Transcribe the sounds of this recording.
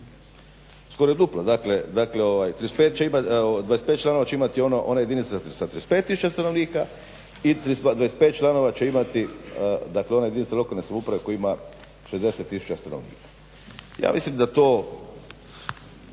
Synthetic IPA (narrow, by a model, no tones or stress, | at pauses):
sko̞ɾoed̪uplod̪akled̪akleoʋajt̪ɾiespeːt̪̚t͡ʃeimad̪ʋaespet̪̚t͡ʃlano̞ʋat͡ɕe̞imat̪io̞noʔonajed̪init̪sassat̪ːɾiespet̪ːisu̥t͡ʃast̪ano̞ʋniːka | it̪ɾisad̪ʋaespet̪t͡ʃlano̞ʋat͡ʃe̞imat̪id̪akleo̞najeinit̪salo̞kalnesamupɾaʋe̞kojima | ʃezd̪eset̪ːisu̥t͡ʃast̪anoʋnḭːkḁ | ja̰ːmḭslimd̪at̪oː